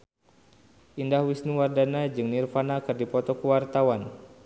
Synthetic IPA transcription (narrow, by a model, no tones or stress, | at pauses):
ʔindahwisniwardanad͡ʒɨŋnirfanakɨrdipɔt̪ɔkəwart̪awan